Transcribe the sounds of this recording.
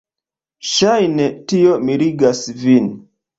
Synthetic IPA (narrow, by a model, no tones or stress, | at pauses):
ʃajnetiomiɾiɡasvin